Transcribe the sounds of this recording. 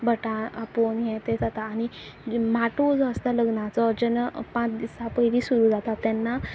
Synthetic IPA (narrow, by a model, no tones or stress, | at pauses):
bʱəʈãaponjɛ̃t̪ed͡zat̪aːnimaʈod͡zəst̪aləɡnat͡sɔd͡ʑənpãt͡sd̪isapəjlisuɾũːd͡zat̪at̪ːjanːa